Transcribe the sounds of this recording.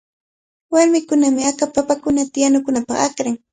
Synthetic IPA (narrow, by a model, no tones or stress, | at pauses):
waɾmɪkʊnamɪakapapakʊnat̪ɪjanʊkʊnapɑχakɾaŋ